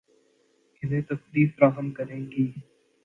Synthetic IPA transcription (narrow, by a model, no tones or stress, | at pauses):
ɪnẽːt̪əkliːfpɾaːsənkəɾẽːɡiː